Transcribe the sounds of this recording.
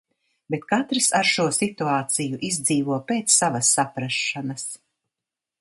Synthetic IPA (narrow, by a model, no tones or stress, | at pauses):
bet̪kat̪ɾisaɾʃuɔsit̪uaːt̪sijuʔizd̪ziːvuɔpeːt̪ssavasːapɾaʃːanɐs